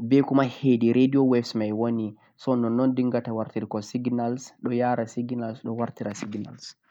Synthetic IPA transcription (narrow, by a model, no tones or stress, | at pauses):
bɛkumahediɾediɔwɛfsmajwoni | sɔnɔnːɔndiŋɡatawaɾtiɾkɔsiɡnalsɗɔjaːɾasiɡnalsɗɔwaɾtiɾasiɡna̰ls